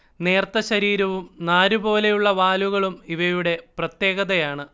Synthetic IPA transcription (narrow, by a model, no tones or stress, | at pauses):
ne̞ːrt̪ɐɕɐɾiːɾɐʋumnaːɾubo̞ːle̞juɭːɐʋaːluɣɐɭumiʋɐjuɽe̞prɐt̪je̞ːɣɐðɐjaːɳɨ